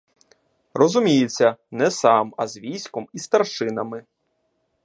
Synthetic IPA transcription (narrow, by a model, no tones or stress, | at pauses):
rɔzʊmʲijet͡sʲːɐnɛsɑmɐzʋʲijsʲkɔmist̪ɐrʃɪnɐmɪ